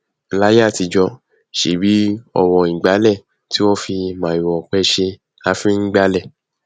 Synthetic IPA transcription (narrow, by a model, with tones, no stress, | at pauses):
la˦ja˦˨ti˧d͡ʒɔ˧ | ʃe˨˦bi˨˦ɔ̰˧wɔ˧˨ĩ˨ɡ͡ba˨˦lɛ˦˨ | ti˦o˦fi˧mã˨i˨wɔ˨k͡pɛ˧ʃe˧ | a˧fĩ˦ŋ̩˦ɡ͡ba˦lɛ˦˨